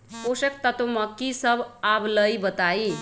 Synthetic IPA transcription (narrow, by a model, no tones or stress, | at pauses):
osekt̪ət̪omʌkːisəbabləjbət̪ai